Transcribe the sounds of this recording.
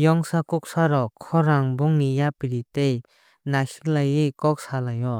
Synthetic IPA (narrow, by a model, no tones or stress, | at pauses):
jɔŋsakuk̚saɾɔkʰɔɾaŋbɔŋnijapiɾitej | nasi̥klajikɔk̚salajɔ